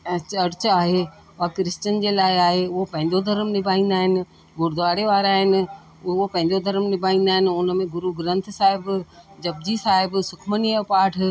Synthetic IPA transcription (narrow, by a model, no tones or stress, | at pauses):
t͡ɕɐɽt͡ɕaːɦe | ʋakɾɪst͡ɕənd͡ʑeːlaːɪaːɦeʊɦopɐ̃ɦɪ̃ɲd̪od̪ʱɐɾmnɪbʱaːĩːn̆d̪aːɦɪnɪ̆ | ɡʊɾd̪ʋaːɽeʋaːɾaːɦɪnɪ̆ | ɦopɐ̃ɦɪ̃ɲd̪od̪ʱɐɾmnɪbʱaːĩːnd̪aːɦɪnɪ̆ʊnə̆mẽɡʊɾuɡɾə̃nt̪ʰsaːɦɪbd͡ʑɐb̚d͡ʑisaːɦɪbsʊkʰmənijəpaːʈʰ